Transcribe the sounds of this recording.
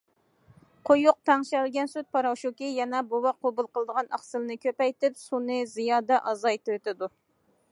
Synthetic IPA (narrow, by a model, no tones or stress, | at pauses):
qʰojuq̚t̪ʰɑŋʃɛlɡʲɛnsyt̪̚pɑɾɑwʃukʲijɛnɛbowɑqʰːobulˠqəlˠd̪əʁɑnɑ̰χsɨlɨnɨkʲʰøpɛjt̪ɪpsunɨzijɑːd̪ɛʔɑzɑjt̪ɾt̪ɪd̪u